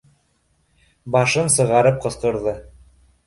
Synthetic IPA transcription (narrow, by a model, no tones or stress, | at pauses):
bɑʃɤnsɤ̆ʁɑɾɤp̚qɤ̆sqɤ̆ɾðɤ